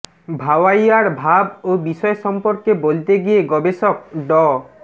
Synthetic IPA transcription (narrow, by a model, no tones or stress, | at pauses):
bʱawajaɹbʱabobisɔjesɔmpɔɹkebolit̪eɡieɡɔbesɔk̚ɖɔ